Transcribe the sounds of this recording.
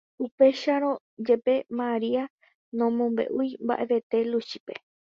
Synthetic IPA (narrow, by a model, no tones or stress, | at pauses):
upe̞ʃaɾõ̞ | d͡ʒepe̞maɾia | nõ̞mõ̞mbe̞̰ʔujmba̰ʔe̞ʋe̞t̪e̞luʃipe̞